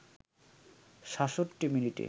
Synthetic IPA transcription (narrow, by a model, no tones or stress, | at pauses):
ʃaʃoʈːiminiʈḛ